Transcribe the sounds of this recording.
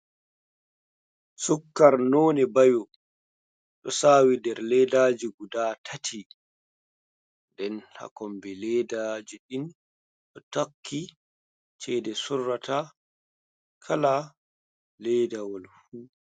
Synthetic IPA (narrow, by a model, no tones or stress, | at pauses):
sukːaɾnoːnɛbajɔ | ɗɔsaːwidɛɾlɛdaːd͡ʒiɡudaːtʰatʰi | ndɛnha̰kɔmbɛlɛːdad͡ʒiɗin | ɗɔtakʰːi | t͡ʃɛːdɛsurːata | kʰala | lɛdawɔlfuː